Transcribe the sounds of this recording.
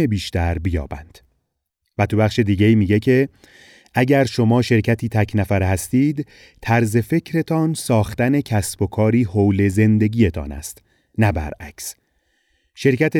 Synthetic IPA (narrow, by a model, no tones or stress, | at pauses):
ebiːʃt̪æɾbijɒ̰ːbæ̰nd̪̥ | væt̪ʰubæχʃe̞d̪iːɡɟeiːmiːɟe̞cʰe̞ | ʔæɟæɾʃo̞mɒːʃe̞ɾcʰæt̪ʰiːt̪ʰæcʰnæfæɾhæst̪iːd̪ | t̪ʰæɾze̞fe̞cʰɾe̞t̪ʰɒnsɒːxt̪æne̞cʰæsb̥o̞kʰɒːɾiːhowle̞ze̞nd̪e̞ɟʲiːjet̪ʰɒ̰ːnæ̰st̪ | næbæ̰ɾæ̰cʰs | ʃe̞ɾcʰæt̪ʰe